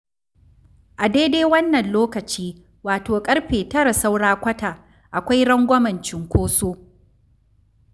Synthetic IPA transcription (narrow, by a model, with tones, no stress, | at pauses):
ʔa˨deː˦deː˦wɐ˦nːɐ˨nloː˦kɐ˨t͡ʃiː˦ | waː˨toː˨kʼɐ˦ɽɸeː˨tɐ˦ɾa˨sa˦wɽaː˦kʷɐ˦taː˨ | ʔa˨kʷa˦jɽɐ˦ŋɡʷɐ˦mɐ˨nt͡ʃɪ˨ŋkʷoː˦soː˦